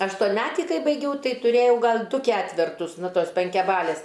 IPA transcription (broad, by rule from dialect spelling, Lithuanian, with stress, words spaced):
ɐʃtoːnʲˈmʲæːtʲiː ˈkɐɪ bɐɪˈɡʲɛʊ ˈtɐɪ tʊˈrʲeːjɛʊ ˈɡɐlʲ ˈdʊ ˈkʲæːtʲʋʲɛrtʊs ˈnʊ ˈtoːs pʲɛŋʲkʲɛˈbɑːlʲeːs